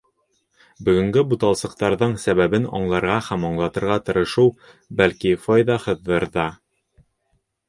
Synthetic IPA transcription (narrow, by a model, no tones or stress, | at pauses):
bɵ̆ɡɵ̆ŋɡɘbut̪ɑlˠsɤ̆q̚t̪ɑɾðɤɴsæβæβɘnɒ̰ɴlˠɑɾʁɑhæmɒɴlˠɑt̪ɤ̆ɾʁɑt̪ɤ̆ɾɤ̆ʃɤw | bælkifɑjðɑhɤ̆ðːɤɾðɑ